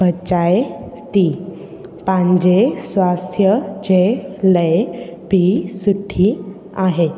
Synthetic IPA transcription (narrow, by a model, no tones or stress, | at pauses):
ət͡ɕajt̪i | pãɲd͡ʑesʋast̪ʰjəd͡ʑeləjbʱisuʈʰːi | aɦe